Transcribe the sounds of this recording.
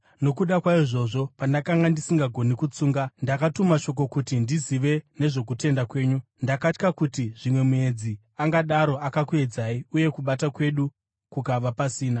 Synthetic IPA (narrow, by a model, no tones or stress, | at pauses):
no̞kuɗakwaiʐo̞ʐo̞pandakaŋɡandisiŋɡaɡʱo̞nikut͡suːŋɡandakatumaʃo̞k̬o̞kutindiziʋe̞ne̞ʐo̞kute̞ndakwe̞ːɲu | ndakat͡ʃkakutiʐimwe̞mue̞d͡zi | aŋɡaɗaɾo̞akakue̞d͡zaːiuje̞kuɓatakwe̞ɗu | kukaʋapasiːna